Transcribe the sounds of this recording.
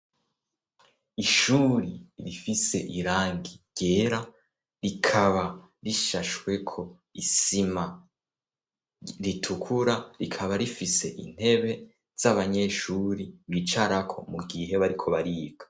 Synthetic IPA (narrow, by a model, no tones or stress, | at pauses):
iʃuːɾiɾifise̞ʔiɾaːŋɡiɟ̥e̞ːɾa | ɾikʰaβa | ɾiʃaʃwe̞kʰo̞ | isima | ɾitʰukʰuɾaɾikʰaβaɾifise̞ʔḭn̥he̞βe̞ | z̥aβaɲe̞ʃuɾiβit͡ʃaɾakʰo̞̰muɡiɦe̞βaɾikʰo̞βaɾiːɡ̥ḁ